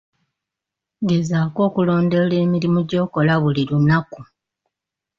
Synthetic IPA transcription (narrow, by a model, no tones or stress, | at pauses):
ɡe̞zaːko̞ːkulo̞ːndole̞ːmiɾimuɟo̞ːko̞laβuliɾunaku